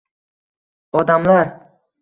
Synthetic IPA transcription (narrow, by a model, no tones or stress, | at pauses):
ɒd̪amlaɾ